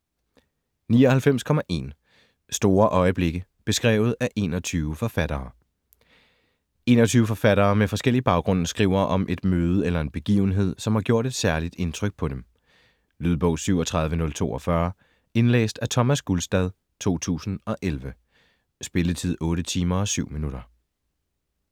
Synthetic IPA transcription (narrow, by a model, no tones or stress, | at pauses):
niːɒ̽hælfem̰skʰɒ̽mæʔe̝̰ːn | sd̥o̝ːɐʔɒ̽ɪəb̥le̝ɡ̥əb̥e̝sɡ̥ʁɛ̰ːʊð̞̩ˠæʔe̝ːnɒt͡sʰyːʊəfɒ̽fæɾ̥ɐː | e̝̰ːnɒt͡sʰyːʊəfɒ̽fæɾɐːmefɒ̽sɡ̥el̰ib̥ɑ̈ʊɡ̥ʁɔ̽n̰̩sɡ̥ʁiʊ̰ɐʔɒ̽mʔe̝d̥møːð̞ˠəelɐe̝nb̥e̝ɡ̥ḭːʊn̩ɦe̝ð̞̰ˠsɒ̽mhɑ̈ɡ̥jo̝ɐ̰ɾ̥e̝d̥sæɐlid̥e̝nt͡sʰʁœɡ̥̚pʰɒ̽d̥em | lyð̞ˠb̥ɔ̽ʊsyʊɒt͡sʰʁɑ̈ð̞ˠʋənɔ̽lt͡sʰo̝̰ːɒ̽fɶɐ | e̝nlḛːsd̥æt͡sʰɒ̽mæsɡ̥ulsd̥ɛð̞ˠ | t͡sʰo̝̰ːt͡sʰṵːsn̩ɒ̽ʔelʋə | sb̥e̝lət͡sʰið̞̰ˠɔ̽ːɾət͡sʰiːmɐɒ̽syʊ̰minuɾ̥ɐ